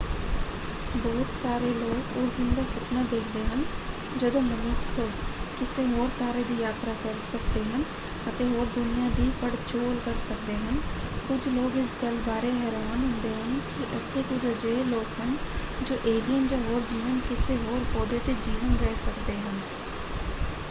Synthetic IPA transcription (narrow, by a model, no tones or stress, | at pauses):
bɔːt̪saːɾeloːɡʊsd̪ɪnd̪asʊknad̪eːkʰd̪eɦən | d͡ʒɐd̪õːmənʊkʰkɪseɦoːɾt̪aːɾed̪iːjaːt̪ɾakəɾsəkd̪eɦən | ət̪ẽɦoːɾd̪ʊnijãːd̪iːpəɽt͡ʃoːlkəɾsəkd̪eːɦənkʊd͡ʒʰloːɡɪsɡəlbaːɾeɦɛːɾaːnɦʊ̃ːnd̪eɦənkiʔɛt̪ʰːekʊd͡ʒʰəd͡ʒeːloːkɦənd͡ʒoːʔeːlijənd͡ʒaːɦoːɾd͡ʒiːʋənkɪseɦoːɾpɔːd̪et̪ed͡ʒiːʋənɾɛɦsəkd̪eːɦən